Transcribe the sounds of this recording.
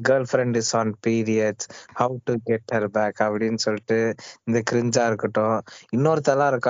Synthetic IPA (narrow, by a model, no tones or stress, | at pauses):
ɡɐːlfɾɛ̃ɳɖɪsɔːnpiːɾijɐɖshɐʊʈuɡɛʈhɐɾbæːkɐpɐɽɪnːsɔlːɪʈːɯɪnd̪ɐkɪɾɪɲd͡ʒaːɪɾɯkːɐʈːʊ̃ɪnːoːɾɯt̪ɐlãɪɾɯkːa